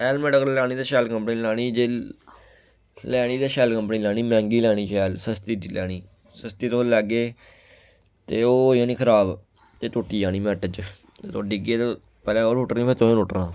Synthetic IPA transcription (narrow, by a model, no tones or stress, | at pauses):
ɛːlmɛːɖəklaːñiːd̪ːʃɛːlkə̃mpniːlaːñiːd͡ʒeː | lɛːɽ̃iːd̪eːʃɛːlkəmpniːlaːniːmɛ̃ːŋɡiːlɛːɽ̃iːʃɛːlsəst̪iːilʔɛːɽ̃iː | səst̪iːt̪olɛːɡeː | t̪eːoːjãːnĩːkʰəɾaːb | t̪eːt̪ʊːʈːiːaːñiːmɛːʈəd͡ʒ̪ | t̪ːɖɪɡeːt̪ː | pɛːlɛ̃ːoːɾʊʈɾnĩːpʰeːt̪oːẽnʊʈɾãː